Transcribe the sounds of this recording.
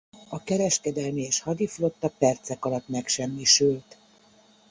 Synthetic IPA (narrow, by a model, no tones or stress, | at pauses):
ɒkɛɾɛʃkɛd̪ɛlmieːʃhɒd̪iflo̞t̪ːɒpɛrt̪sɛkɒlɒt̪mɛkʃɛmːiʃylt̪